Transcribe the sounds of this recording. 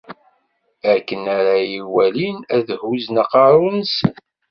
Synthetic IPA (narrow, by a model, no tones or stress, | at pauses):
æɾkːənæɾajiwælinæðhuznaqɑɾˤunəsə̰n